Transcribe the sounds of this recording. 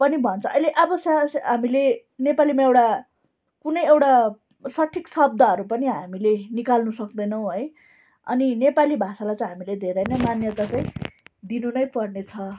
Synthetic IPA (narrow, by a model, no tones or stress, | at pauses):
pʌnibʱʌnt͡sʰʌʔʌjleʔʌbʌsjasɦamile | nepalimaewʈa | kunʌjewʈa | sʌʈʰːiksʌb̚d̪ʱaɦʌɾupʌniɦamilenikalnusʌk̚d̪ʌjnʌw̃ɦʌj | ʌ̰ninepalibʱasalajt͡sãj̃ɦamiled̪ʱeɾʌjnʌjmanjʌt̪at͡saĩd̪inunʌjpʌrnet͡sʰʌ